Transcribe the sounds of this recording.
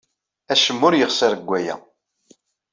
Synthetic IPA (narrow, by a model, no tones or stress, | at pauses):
æʃəmːʊɾjəχsəɾɡʷːæjæ̰